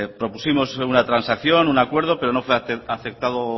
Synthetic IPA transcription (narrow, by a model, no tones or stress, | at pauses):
pɾo̞pusimo̞sunat̪ɾansakθjo̞nunakwe̞ɾð̞o̞pe̞ɾo̞no̞fweaθek̚t̪aðo